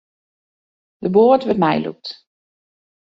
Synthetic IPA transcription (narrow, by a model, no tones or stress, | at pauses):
d̥əboətʋətmɛ̰jlṵk̚t